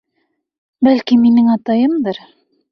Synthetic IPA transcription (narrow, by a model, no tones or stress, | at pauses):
bælkiminɘŋɑt̪ɑjɤmd̪ɤɾ